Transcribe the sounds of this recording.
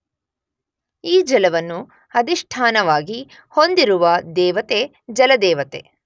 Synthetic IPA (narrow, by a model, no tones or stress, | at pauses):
iːd͡ʒɐlɐʋɐnːu | ɐd̪iʂʈʰaːnɐʋaːɡi | ho̞nd̪iɾuʋɐd̪ɛːʋɐt̪e | d͡ʒɐlɐd̪ɛːʋɐt̪e